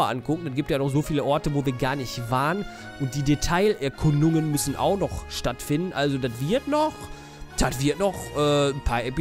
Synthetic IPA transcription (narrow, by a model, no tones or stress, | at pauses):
ɐʔa̰nkʰʊkŋ̩d̥anɡiːp̚tsjaːnɔχz̥oːfiːləʔɔɐtəvoːviːɐɡaːɐnɪçtv̥aːɐən | ʔʊnt̚d̥iːdetʰaɪlʔɛɐkʰʊndʊŋənmʏsn̩ʔa̰ʊxnɔχʃtatfɪndn̩ʔalzodatv̥ɪɐtnɔχ | d̥atv̥ɪɐtnɔχʔɛːn̩pʰaːɐʔepi